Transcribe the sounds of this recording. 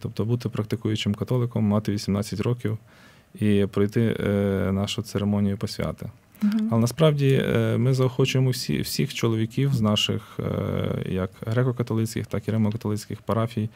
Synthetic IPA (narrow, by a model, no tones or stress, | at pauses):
t̪ɔp̚t̪ɔbut̪ɪpɾɐk̚t̪ɪkujʊt͡ʃɪmkɐt̪ɔlˠɪkɔmːɑt̪ɪʋʲisʲimnɑt͡sʲːɐtʲɾɔkʲiw | ipɾɔjt̪ɪnɑʃʊt̪seɾemɔnʲijʊpɔsʲʋʲa̰t̪ɪ̰ | ɐlˠɛnɐspɾɑwdʲimɪzɐɔxɔt͡ʃʊjemɔwsʲḭwsʲixt͡ʃɔlˠɔʋʲikʲiwznɑʃɪ̰x | jɐkɦɾɛkɔkɐt̪ɔlˠɪt͡sʲkʲɪ̰xt̪ɑkiɾɛmɔkɐt̪ɔlˠɪt͡sʲkʲɪxpɐɾɑfʲij